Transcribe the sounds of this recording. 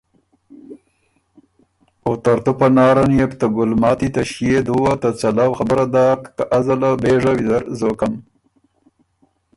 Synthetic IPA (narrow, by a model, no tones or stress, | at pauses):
ot̪aɾt̪upanɑːɾanjept̪aɡʊlmɑːt̪it̪aʃjed̪uwat̪at͡salawxabəɾad̪aːkːaʔazalabeʐawid̪aɾzokam